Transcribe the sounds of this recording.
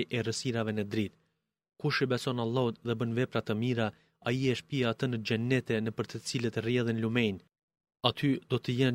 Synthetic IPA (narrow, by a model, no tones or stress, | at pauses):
jʔɛrəsiɾavɛnəd̪ɾit̪ | kuʃibɛsɔnalˠːɔt̪ðɛbənvɛpɾat̪əmiɾa | ajiɛʃpiaat̪ənəd͡ʒɛnɛt̪ɛnəpəɾt̪ət͡silət̪ərjɛðinlumɛjn | at̪ʰyd̪ɔt̪əjɛn